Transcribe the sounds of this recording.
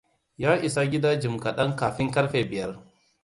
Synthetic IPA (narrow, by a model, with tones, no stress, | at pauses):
jaː˦ʔɪ˨sa˦ɡʲɪ˦daː˦d͡ʒɪ˨mkɐ˨ɗɐ˦ŋkaː˨ɸɪ˦ŋkɐ˦rɸeː˨bɪ˨jɐ˦r